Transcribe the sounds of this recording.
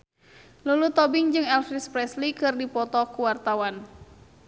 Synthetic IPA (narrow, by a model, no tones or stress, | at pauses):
lulut̪ɔbiŋd͡ʒɨŋɛlfɾispɾɛslikɨrdipɔt̪ɔkuwart̪awan